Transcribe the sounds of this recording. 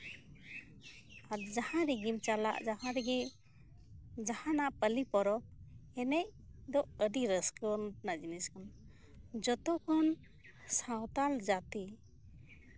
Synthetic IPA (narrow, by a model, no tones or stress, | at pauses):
aɾd͡ʒahãɾiɡimt͡ʃala̰ʔd͡ʒaɦãɾɛɡi | d͡ʒahãnaʔpəlipɔɾɔp̚ɛnɛʔd̪ɔʔəɖiɾəskɔnnad͡ʒiniskan | d͡ʒɔt̪ɔkʰɔn | sawt̪ald͡ʒat̪i